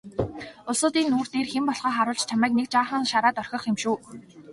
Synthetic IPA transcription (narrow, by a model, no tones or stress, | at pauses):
ʊɮsʊːt̪iːnuːrt̪eːrxempɔɮχɔːχaɾʊːɮt͡ɕt͡ɕʰamæːknek̚t͡ɕaːχə̆ŋʃaɾaːt̪œrxʲɞ̆χxemʃuː